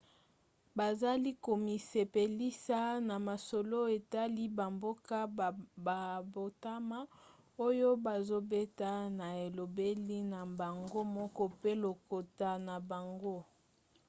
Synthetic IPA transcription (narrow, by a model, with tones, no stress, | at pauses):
ba˨za˦li˦ko˨mi˨se˨pe˨li˦sa˦na˨ma˨so˨lo˦e˨ta˦li˦ba˨mbo˦ka˦ba˨bo˨ta˦ma˦ | o˦jo˦ba˨zo˦be˦ta˦na˨e˨lo˨be˦li˦na˨ba˨ŋɡo˦mɔ˦kɔ˦pe˦lo˨ko˨ta˨na˨ba˨ŋɡo˦